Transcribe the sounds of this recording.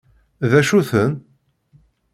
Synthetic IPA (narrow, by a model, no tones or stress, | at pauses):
ðæʃuθən